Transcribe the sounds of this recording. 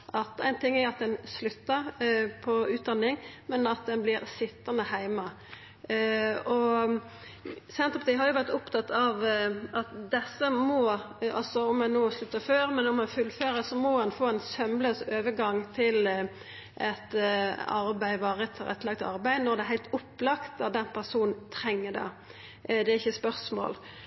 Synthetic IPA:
ʔɑt̪æ̰ɪnt̪ʰɪŋːæɾɑt̪̚d̪ɛnslʉt̪ːəɾpʰɔʉːt̪̚d̪ɑnːɪŋmɛnɑt̪̚d̪ɛnblɪɾsɪt̪ːənəhæɪmɑ | ɔ | sɛnt̪ɾəpɑt̪ɪɦɑɾjʊʋæʁt̪ʊpt̪ʰɑt̪ːɑʋɑt̪d̪ɛsːəmɔ | ɑ̰lsɔɔmɛnoːslʉt̪ːəføːɾmɛnɔmɑnfʉlføːɾəsɔmɔhɑnfoːæɪnsœmløːsøːʋəɡɑŋːt̪ʰɪl | ʔɛt̪ɑɾbæɪʋɑːɾət̪ʰɾɛ̰t̪ːlɑɡ̚t̪ɑ̰ɾbæɪnɔɾd̪ɛɦæɪlt̪ʊpːlɑkt̪ɑd̪ɛnpʰæʁsuːnn̩t̪ʰɾɛŋːəd̪ɑ̰ | d̪ɛæɾɪçːəspœʁsmo̰ːl

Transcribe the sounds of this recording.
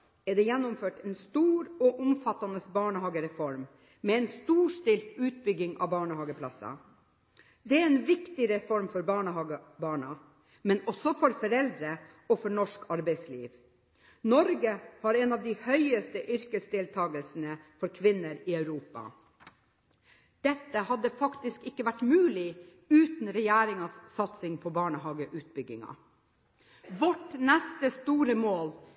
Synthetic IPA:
ɛɖ̪ɛːjɛnːʊmføːʈɛnst̪uːɾɔʔʊmfɑt̪ɑnəsbɑːɳəhɑːɡəɾɛfɔɾm | meːɛnst̪uːʂʈɪlt̪ʉːt̪̚bʏɡɪŋɑ̰ːbɑːɳəhɑːɡəpʰlɑsɑ̰ | d̪ɛɛɛːnʋɪkt̪ɪɾɛfɔɾmfɔɾbɑːɳəhɑːɡəbɑːɳɑ | mɛnɔsɔfɔɾfɔɾɛld̪ɾə | ɔfɔɳɔʂkɑɾbæɪslḭːʋ | nɔɾɡəhɑɾɛnɑːʋd̪ɪhœʏəst̪əʔʏɾkəsd̪ɪlt̪ʰɑːɡəlsn̩əfɔɾkʰʋɪnəɾɪœʉɾuːpɑ̰ | d̪̥ɛt̪ːəhɑd̪ːəfɑkt̪ɪskɪkːəʋæʈmʉːlɪ | ʉːt̪nɾɛjæːɾɪŋɑsːɑt̪sɪŋpʰɔbɑːɳəɦɑːɡəʔʉːt̪̚bʏɡːɪŋɑ̰ | ʋɔʈnɛst̪əst̪uːɾəmoːl

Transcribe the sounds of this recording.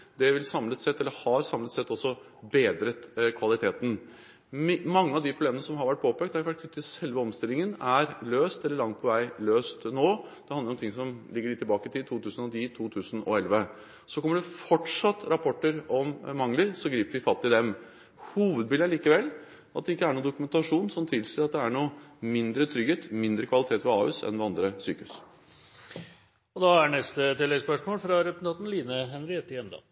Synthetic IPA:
d̪ɛʋɪlsɑmlət̪sɛt̪ːɛlːəɾhɑɾsɑmlət̪sɛt̪ːɔsːɔ | beːd̪ɾət̪kʰʋɑlɪt̪ʰeːt̪n̩ | mmɑŋːəɑʋd̪ɪpʰɾʊbleːmənəsɔmɦɑɾʋæʈ̚ːpʰoːpʰɛɡ̚t̪æɾʋæʈkʰnʉt̪ʰːɪsɛlʋəɔmst̪ɪlɪŋənæɾløːst̪ɛlːəɭɑŋt̪̚pʰɔʋæɪløːst̪noːd̪̥ɛhɑnəɾɔmt̪ɪŋːsɔmlɪɡːəɾɪt̪ʰːɪlbɑːkət̪ʰɪt̪ʰuːt̪ʰʉːsn̩ɔnʰiːt̪ʰuːt̪ʰʉːsən̩ɔ̰ɛlʋə | sɔkʰɔmːəɖʉfɔʈʂɑt̪ːɾɑpʰɔʈːəɾɔmmɑŋləɾsɔɡɾiːpəʋɪfɑt̪ːɪd̪ɛm | huːʋəd̪̚bɪːləɭiːkəʋɛlː | ɑt̪̚d̪ɛɪkːəæɳuːd̪ʊkʉmɛnt̪ɑʂuːnsɔmt̪ʰɪlsɪːəɾɑt̪̚d̪ɛæɳuːmɪnd̪ɾət̪ʰɾʏɡeːt̪mɪnd̪ɾəkʰʋɑlɪt̪ʰeːt̪ʋɛɑ̰ːʉːsɛ̰nʋɛɑnd̪ɾəsy̰ːkəhʉs | ɔd̪ɑæɳɛst̪ət̪ɪlːɛɡspœʂmoːlfɾɑɾɛpnɑːt̪n̩liːnəɦɛnɾɪɛt̪ːɪɛnd̪ɑ̰

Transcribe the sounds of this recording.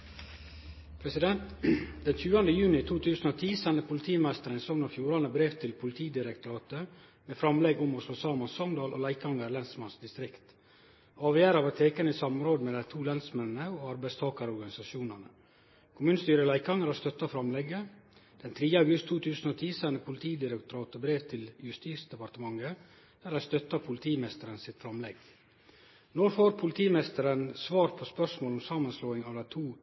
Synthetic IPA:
pʰɾɛsɪd̪ɛnt̪d̪ɛnçʉːɑnd̪əjʉːnɪt̪ʰuːt̪ʰʉːsn̩oːt̪ʰiːsɛnəpʰʊlɪt̪ʰiːmæst̪əɾənsɔŋnɑfjuːɾɑnəbɾeːʋt̪ʰɪlpʰʊlɪt̪ʰiːd̪ɪɾɛkt̪ʊɾɑːt̪ə | meːfɾɑmlɛɡʊmɔsfɔsɑːmɑnsɔŋd̪ɑːlʔo̰ːlæɪkɑŋəɾlɛnsmɑnsd̪ɪst̪ɾɪkt̪ | ɑːʋjæːɾɑʋɑt̪ʰeːkənəisɑmɾoːd̪mɛlæɪt̪ʰuːlɛnsmɛnːəoːɑɾbæɪst̪ʰɑːkɑɾəɔɾɡɑnɪsɑʃuːnɑnə | kʰʊmʉːnəst̪yːɾəlæɪkɑŋæɾɑst̪œt̪ːɑfɾɑmlɛɡəd̪̥ɛnt̪ʰɾiːəɑʊɡʉst̪ʰːuːt̪ʰʉːsən̩oːt̪ʰiːsɛnːəpʰʊlɪt̪ʰiːd̪ɪɾəkt̪ʊɾɑːt̪ɔbɾeːʋt̪ʰɪljʉst̪iːsd̪ɛpɑɾt̪əmɑŋːə | d̪̥æːɾæɪst̪œt̪ːɑpʰʊlɪt̪ʰiːmɛst̪əɾənsɪt̪fɾɑmlɛɡ | noɾfoːɾpʰʊlɪt̪ʰiːmɛst̪əɾənsʋɑːɾpʰɔspœʂmoːlɔmsɑːmɑnsloːɪŋɑʋd̪æɪt̪ʰuː

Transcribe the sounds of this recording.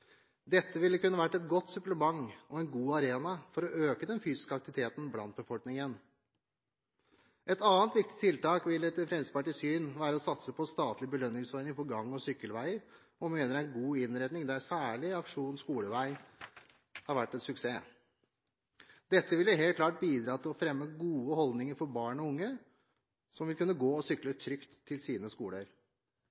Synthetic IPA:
d̪ɛt̪ːəʋɪlːəkʉnːəʋæʈːɛt̪̚ɡɔt̪ːsʉpləmɑŋːɔɛnɡuːɑɾeːnɑfɔɾɔʔøːkəd̪ɛnfyːsɪ̥skəɑkt̪ɪʋɪt̪ʰeːt̪n̩blɑ̰nt̪̚bəfɔlknɪŋən | ʔɛt̪ɑːənt̪ʋɪk̚t̪ɪ̥tt̪ʰɪlt̪ɑːkʋɪlɛt̪əfɾɛsə̥pɑʈɪsyːnʋæːɾəɔsɑt̪səpʰɔst̪ɑːt̪lɪbəlœnːɪŋsɔɾnɪŋfɔɾɡɑŋːɔsʏkːəlʋæɪəɾ | ɔmeːnəɾæɪnɡuːɪnɾɛd̪nɪŋd̪æɾsæːɭɪɑkʂuːnn̩skuːləʋæɪ | hɑɾʋæʈːɛnsʉkseː | d̪ɛt̪ːəʋɪləɦeːlt̪kʰlɑːʈ̚biːd̪ɾɑːt̪ʰɪlɔfɾɛmːəɡuːəhɔld̪nɪŋəɾfɔɾbɑːɳɔʊŋːə | sɔmʋɪlkʰʉnːəɡoːɔsʏklət̪ʰɾʏkt̪ʰːɪlsiːnəskuːləɾ

